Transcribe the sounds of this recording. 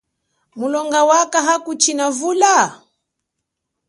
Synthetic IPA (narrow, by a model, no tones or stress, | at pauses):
mulɔŋɡawakaɦakut͡ʃinavula